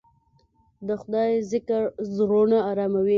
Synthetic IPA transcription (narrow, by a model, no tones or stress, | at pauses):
d̪əxʊd̪ɑjzɪkaɾzɾonaːɾɑmawi